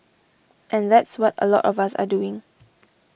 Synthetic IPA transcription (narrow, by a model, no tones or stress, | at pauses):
ʔɛ̃nðɛtswɔtə̰lɔ̰tɔvasa̰duɪ̃ŋ